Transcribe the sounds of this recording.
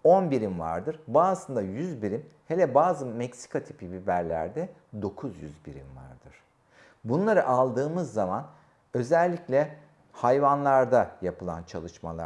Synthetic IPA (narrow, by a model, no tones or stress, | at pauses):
onbiɾimva̰ɾd̪ɯɾbaːsɯnd̪ajyzbiɾimhelʲɛbaːzɯmɛcsi̥kʰat̪ʰi̥pʰibibæɾlʲæ̰ɾd̪ɛ | d̪o̞kʰuzjy̰zbiɾḭmva̰ɾd̪ɯɾ̥ | bunlˠaɾɯʔalˠd̪ɯːmɯzːaman | ø̞zɛlʲːiclʲɛ | hajvanlˠaɾd̪ajapɯlˠa̰nt͡ʃʰalˠɯʃma̰lˠa̰